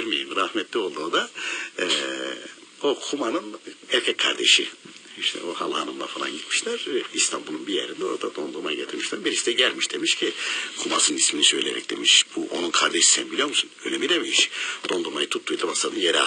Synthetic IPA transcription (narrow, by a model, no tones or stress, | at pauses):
ɾmijimɾahmɛt̪lʲio̞lˠd̪uːd̪a | o̞kʰumanɯnɛɾcʰɛckʰa̰ɾd̪ḛʃiiʃt̪ʰɛ̰ohalˠhanɯmlˠa̰falˠa̰nɟit̪miʃlʲæɾist̪ʰambulˠunbijḛɾind̪ɛo̞ɾad̪ad̪o̞nd̪uɾmajɟet̪ʰiɾmiʃlʲæɾbiɾisid̪ɛɟælʲmiʃd̪e̞miʃcʰikʰumasɯnisminisø̞jlʲḛɾɛ̰c̚d̪̥e̞miʃb̥uʔo̰nunkʰaɾd̪eʃi̥sɛnbilʲijo̞ɾmusunønʲemid̪emimiʃd̪̥o̞nd̪uɾmajɯt̪ʰut̪ʰːujd̪amasad̪ɯnjeɾɛ